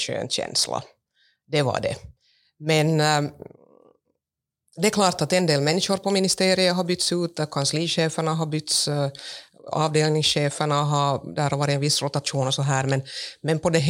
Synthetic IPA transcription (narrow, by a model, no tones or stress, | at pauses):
ɕø̰ːnɕɛ̰nsla̰ | d̪ɛvɑ̰ɖɛ̰ | mɛn | d̪ɛːkʰlɑːʈ̪at̪ɛnd̪eːlmɛnːɪʂʊɾpɔmɪnɪst̪eːɾɪəɦaɾbʏt̪sʉːt̪kʰansliːɕeːfəɳaɦɑbʏt̪s | ɑ̰ːvd̪eːlnɪŋsɕeːfəɳaɦɑd̪æːɾhaɾvɑːɾɪɛnvɪsːɾʊt̪at̪ʂuːnɔsɔɦæːɾmɛnmɛnpɔd̪ɛɦ